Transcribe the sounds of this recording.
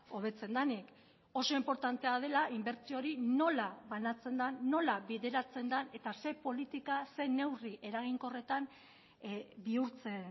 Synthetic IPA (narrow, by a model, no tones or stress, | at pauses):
o̞βe̞t͡se̞nd̪anik | o̞so̞impo̞ɾt̪ant̪e̞að̞e̞laimbe̞ɾt͡sio̞ɾino̞laβanat͡se̞nd̪aːo̞laβiðe̞ɾat͡se̞nd̪ane̞t̪ase̞po̞lit̪ikase̞ne̞wriʔe̞ɾaɣ̞iŋko̞re̞t̪an | biuɾt͡se̞n